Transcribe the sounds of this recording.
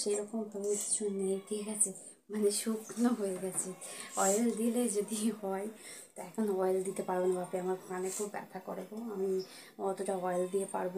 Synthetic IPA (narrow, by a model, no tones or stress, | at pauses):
ʃeɾɔkompɾobeʃd͡ʑonːet̪ʰeɡɛt͡ɕʰe | maneʃuknoɦojeɡɛt͡ɕʰeɔjld̪iled͡ʑod̪iɦɔet̪oɛkʰonoɔjld̪it̪epaɾbenabapiamaɾpɾanekʰubːɛ̰t̪ʰakoɾeboamiɔt̪oʈaɔjld̪iepa̰ɾbo